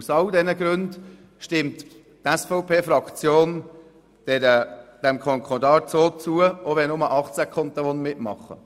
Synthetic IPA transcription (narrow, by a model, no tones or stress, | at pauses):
usɑldɛnəɡ̥ɾʉnd | ʃtɪmt | tɛsfɔʊpʰeːfɾɑkt͡sjoːn | d̥ɛɾəd̥ɛmkʰɔŋkʰχɔdɑːt͡soːt͡suəoʋɛnʊməʔɑχt͡sækχɔnt̚dɛʋɔnmɪtmɑ̰χːə̰